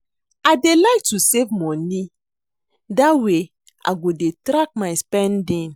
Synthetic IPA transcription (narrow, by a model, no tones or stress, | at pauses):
adelaɪk̚tusevmɔni | dawe | a̰ɡodetɾak̚maɪspɛ̃ndĩn